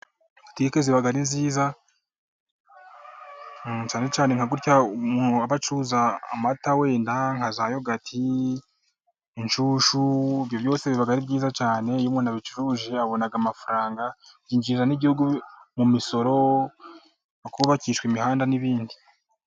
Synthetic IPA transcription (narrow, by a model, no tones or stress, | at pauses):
atiikeziβaɡaɾinziːza | t͡ʃaːne̞t͡ʃaːneŋaɡuɾcaumuːnhuaβat͡ʃuza̰ːmatawe̞ːndaŋhazajoɡatʰi | nt͡ʃuːʃuiβjo̞βjo̞ːseβiβaɡaɾibɟiːzat͡ʃaːne̞juːmŋenaβit͡ʃuɾuʒe̞aβo̞naɡamafaɾaːŋɡajiːɲd͡ʒizanibihuɡumumiso̞ɾo̞ | akuβakiːʃwimihaːndaniβiːndi